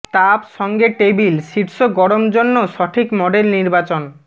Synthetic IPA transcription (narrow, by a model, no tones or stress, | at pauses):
t̪apʃɔŋɡeʈebilʃiʈʃoɡɔɽomd͡ʑonːoʃɔʈʰikmɔɖelniɾbat͡ɕon